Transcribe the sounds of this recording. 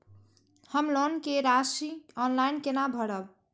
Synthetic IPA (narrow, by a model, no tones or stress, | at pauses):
həmlonkeɾasiɔnlajnkenabʱəɽəb